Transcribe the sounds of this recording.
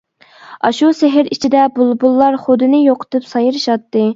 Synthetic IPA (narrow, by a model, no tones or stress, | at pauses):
ɑʃusɪɦɪɾit͡ʃʰid̪ɛbulˠbulˠːɑɾχod̪ɨnɨjoqʰə̥t̪ʰɨpsɑjɨɾɨʃɑt̪ːɨ